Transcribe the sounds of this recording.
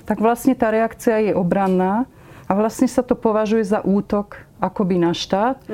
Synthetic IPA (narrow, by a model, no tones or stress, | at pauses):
t̪aɡʋlasɲɛt̪aːɾɛakt͡siajɛʔɔbɾanːaː | aʋlasɲɛsat̪ɔpɔʋaʒujɛzaʔuːt̪ɔkakɔbinaʃt̪aːt̪